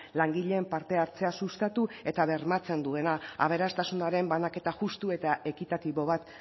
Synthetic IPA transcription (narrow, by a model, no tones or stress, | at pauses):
laŋɡiʎe̞ːmpaɾt̪e̞aɾt͡se̞asust̪at̪ue̞t̪aβe̞ɾmat͡se̞nd̪ue̞naa̰β̞e̞ɾast̪asunaɾe̞mbanake̞t̪aʝust̪ue̞t̪ae̞kit̪at̪iβo̞β̞at̪